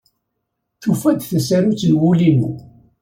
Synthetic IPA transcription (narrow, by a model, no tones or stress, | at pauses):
θufæd̪θæsæɾut͡sːnwulimṵ